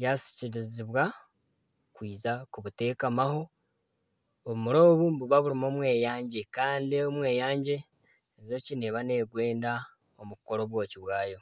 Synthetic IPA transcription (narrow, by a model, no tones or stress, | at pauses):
jasi̥ciɾiziβwa | kwiːzakuβute̞ːkamaɦo̞ | muɾo̞ːβumbuβaβuɾimo̞ːmwe̞ːjaːɲɟe̞kaːndiomwe̞ːjaːɲɟe̞ː | zo̞cineβane̞ɡwe̞ːnda | omuko̞ɾoβwo̞ːciβwaːjo̞